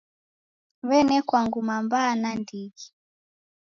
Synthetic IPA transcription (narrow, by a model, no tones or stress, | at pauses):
βɛnɛkwaŋɡumambanandiɡi